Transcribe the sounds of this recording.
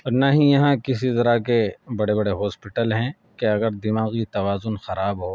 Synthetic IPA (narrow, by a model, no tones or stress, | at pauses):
ɔːɾnaːɦĩjɐɦãkɪs̬izɐɾakebɐɽebɐɽeɦɔːspɪʈəlɦɛ̃ | keɐɡəɾd̪ɪmaːɣit̪ɐʋaːzʊnxɐɾaːbɦo